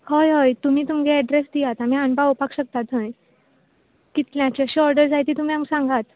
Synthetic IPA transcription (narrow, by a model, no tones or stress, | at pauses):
həjɦəjt̪um̤iːt̪umɡeɛɖɾesd̪ijat̪amiːɦãnbawpakɕək̚t̪at̪ə̃j | kit̪ljãt͡ɕeəɕiɔɾɖəɾd͡zajt̪iːt̪um̤iamsãŋɡat̪